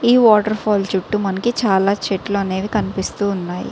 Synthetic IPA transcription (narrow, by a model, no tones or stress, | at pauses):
iːʋɔːʈɐɾpʰɔːlt͡ʃuʈːumɐnɐkit͡ʃaːlaːt͡ʃeʈloːɐne̞ːʋikɐnipist̪uːnːaːjḭ